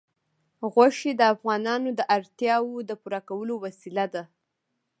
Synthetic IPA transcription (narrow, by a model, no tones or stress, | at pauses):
ɣwaʃed̪əafɣɑnɑnod̪əʔaɾt̪jɑwod̪əpuɾakawəlowasilad̪a